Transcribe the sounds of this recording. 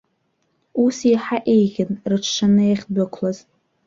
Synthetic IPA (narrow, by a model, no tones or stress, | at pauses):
usiħaʔejɣʲɪnrɨʈ͡ʂʰʂanɨaχʲbʷakʷʰlaz̥